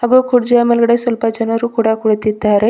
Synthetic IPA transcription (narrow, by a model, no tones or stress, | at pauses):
ɦɐɡokʰuɽd͡ʒuamelɡɐɽesʋɐlpɐd͡ʒɐnɐɾukuɽakuɽit̪id̪aɾe